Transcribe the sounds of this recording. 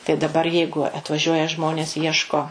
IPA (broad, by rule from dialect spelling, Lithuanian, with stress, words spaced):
tɐɪ dɐˈbɐr ˈjɛɪɡʊ ɐtʋɐˈʒʲuɔjɛ ˈʒmoːnʲeːs ˈiɛʃkoː